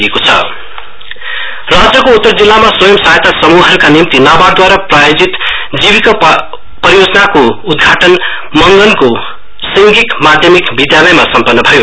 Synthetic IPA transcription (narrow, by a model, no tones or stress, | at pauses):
ekot͡sʰʌ̰ | rad͡zjʌkout̪ːʌrd͡zilːamaswʌjʌmsajt̪asʌmuɦʌɾukanimt̪inabaɽd̪waɾaprajod͡zit̪ | d͡zibikʌ | pʌɾjod͡zʌnakoud̪ɡʱaʈʌn | mʌŋɡʌnko | siŋɡikmad̪ʱjʌmikbid̪jalʌjmasʌmpʌrnːʌbʱʌjo